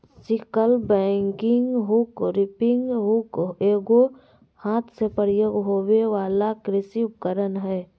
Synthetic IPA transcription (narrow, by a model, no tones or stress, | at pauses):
sɪkəlbɛ̃ːŋkɪ̃ŋɡɦukɾɪpɪŋɡɦukeːɡo | haːt̪ʰsepəɾjoːɡɦoweʋaːlakɾɪsiʊp̚kəɾənɦɛː